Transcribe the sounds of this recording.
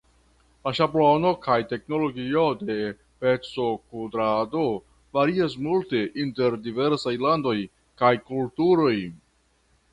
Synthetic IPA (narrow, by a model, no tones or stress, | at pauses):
laʃaplono̞kajte̞kno̞lo̞ɡio̞de̞ | pet͡so̞kudɾado | vaɾias̬multe̞ʔinte̞ɾdive̞ɾsajlando̞j | kajkultuɾo̞j